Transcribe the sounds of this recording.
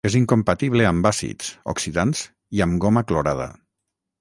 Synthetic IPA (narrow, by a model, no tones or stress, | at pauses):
eziŋkompat̪iβ̞leambasḭt͡so̰ksiðanz̥ | iəmɡomakloɾað̞a̰